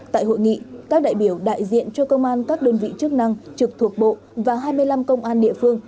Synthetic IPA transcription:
t̪a̰ː˧˨jho̰˧˨jŋḭ˧˨kaː˦˥k̚ɗa̰ː˧˨jɓi˨˩əwɗa̰ː˧˨jzḭ˧˨ənt͡ɕɔ˧kə˧wŋ͡mʔaː˧nkaː˦˥k̚ɗəː˧nvḭ˧˨t͡ɕɨ˦˥ək̚na˧ŋt͡ɕɨ˨˩k̚t̪ʰu˨˩ək̚ɓo̰˧˨ | vaː˨˩ɦaː˧jmɨ˧əjla˧mkə˧wŋ͡mʔaː˧nɗḭ˧˨əfɨ˧əŋ

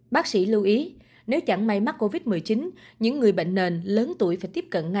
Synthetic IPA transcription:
ɓaː˦˥k̚sḭ˧˥lɨ˧wʔi˨˦ | ne˨˦wt͡ɕa˧˩ŋma˧jma˦˥t̚kːo˧vi˦˥t̚mɨ˨˩əjt͡ɕi˨˦nɲɨ̰˧˥ŋːɨ˨˩əjɓḛ˧˨ŋ̟ne˨˩nləː˨˦nt̪u˧˩əjfaː˧˥jt̪i˦˥əp̚kə̰˧˨nŋa˨

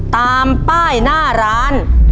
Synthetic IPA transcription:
t̪aː˧mpaː˥˩jnaː˥˩ɾaː˦˥n

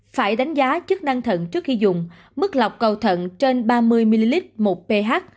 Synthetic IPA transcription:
faː˧˩jɗa˨˦jŋ̟zaː˨˦t͡ɕɨ˦˥ək̚na˧ŋt̪ʰə̰˧˨nt͡ɕɨ˦˥ək̚xi˧zʊ̰˨ŋ͡m | mɨ˦˥k̚la˨˩wk͡p̚kə˨˩wt̪ʰə̰˧˨nt͡ɕe˧nɓaː˧mɨ˧əjmi˧li˧li˦˥t̚mo˨˩t̚pe˧ɦaː˦˥k̚

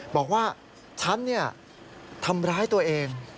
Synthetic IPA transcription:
bɔː˨˩k̚waː˥˩ | t͡ɕʰa˦˥nːi˥˩ɐ | t̪ʰa˧mɾaː˦˥˩jt̪u˧ɐʔeː˧ŋ

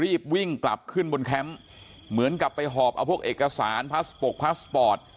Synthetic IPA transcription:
ɾiː˥˩p̚wi˥˩ŋkla̰˨˩p̚kʰɯ˥˩nbo˧nkʰɛ˦˥m | mɯ˩˦ənka˨˩pːa˧jɦɔː˨˩p̚ʔa˧wpʰu˥˩əʔeː˨˩ka˧saː˩˦npʰa˦˥spo˨˩k̚pʰa˦˥spɔː˨˩t̪̚

